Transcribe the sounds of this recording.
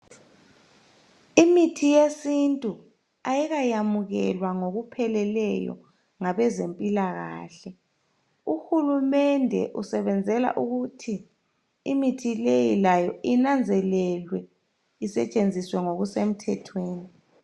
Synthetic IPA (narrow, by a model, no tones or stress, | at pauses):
imitʰijesintʼu | ajiɣajamuɣɛlwaŋoɣupʰɛlɛlɛjɔ̰ | ŋaβɛzempʼilaɣa̰ːɬɛ | uhulumɛndʱɛ̰ʔusɛβɛnd͡zʱɛla̰ʔuɣutʰi | ḭmitʰilejilajɔinand͡zʱɛlɛlwɛ | isɛt͡ʃʼend͡zʱiswɛŋoɣusem̩tʰɛtʰweːni